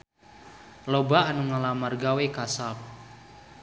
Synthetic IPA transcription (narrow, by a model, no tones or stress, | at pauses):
lobaanuŋalamarɡawekasap̚